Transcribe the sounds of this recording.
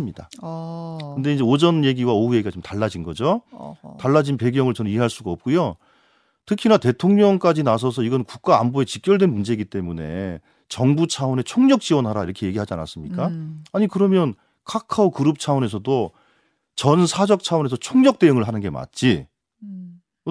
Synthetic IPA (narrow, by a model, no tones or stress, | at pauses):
ɯmɲida | kɯnde̞ind͡ʑe̞od͡ʑʌnje̞ɡiwaouje̞ɡiɡat͡ɕomtaɭːad͡ʑinɡʌd͡ʑotaɭːad͡ʑinpe̞ɡjʌŋɯɭt͡ɕʌnɯniɦe̞ɦaɭs͈uɡaʌp̚k͈ujo | tʰɯkʰinate̞tʰoŋɲʌŋk͈ad͡ʑinas̬ʰʌs̬ʰʌiɡʌnkuk̚k͈aːmboe̞t͡ɕik͈jʌɭdwe̞nmund͡ʑe̞ɡit͈e̞mune̞̰ | t͡ɕʌŋbut͡ɕʰaone̞t͡ɕʰoŋɲʌk̚t͡ɕ͈iwʌnɦaɾaiɾʌkʰe̞je̞ɡiɦad͡ʑia̰nas͈ɯmɲik͈aːɲikɯɾʌmjʌn | kʰakʰaokɯɾɯp̚t͡ɕʰaone̞s̬ʰʌdo | t͡ɕʌnsʰad͡ʑʌk̚t͡ɕʰaone̞s̬ʰʌt͡ɕʰoŋɲʌk̚t͈e̞ɯŋɯɭɦanɯnɡe̞ma̰t̚t͡ɕ͈i